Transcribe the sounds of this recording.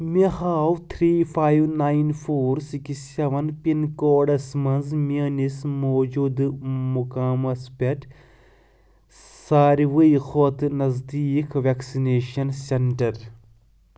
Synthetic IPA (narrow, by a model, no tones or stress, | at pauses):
mehaːwt̪ʰɾiːfaːjʋnaːinfʰoːɾsikiseʋɐnpinkoːɖɐsmɐnzmiɐnismoːd͡ʒud̪mʊkaːmɐspeʈ | saːɾiʋɐixoːt̪nɐzd̪iːkʋeksineːʃɐnseɳʈɐɾ